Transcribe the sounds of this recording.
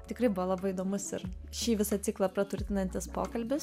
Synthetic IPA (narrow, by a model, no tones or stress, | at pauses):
t̪ʲɪkɾɐɪbʊʋoːlˠɐbɐɪiːd̪oːmʊsɪ̰ɾʃʲiːʋʲɪsɐt̪ʲiklˠɐpɾɐt̪ʊɾʲt̪ʲɪnɐnʲt̪ʲɪspo̰ːkɐlʲbʲɪs